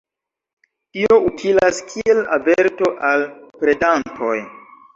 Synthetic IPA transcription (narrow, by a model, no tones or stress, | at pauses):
tioutʰilaskʰiela̰veɾto̞ʔalpɾe̞dantʰo̞j